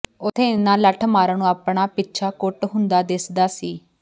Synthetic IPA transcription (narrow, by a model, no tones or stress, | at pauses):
ʊt̪ʰẽːnãːləʈʰmaːɾaːnũːaːpɳaːpɪtːt͡ʃʰaːkʊʈɦʊ̃nd̪aːd̪esd̪aːsiː